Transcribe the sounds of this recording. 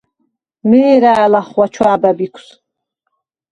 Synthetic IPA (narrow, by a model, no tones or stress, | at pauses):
mɛːɾaːlaχwat͡ʃʰwaːbæbikʷʰs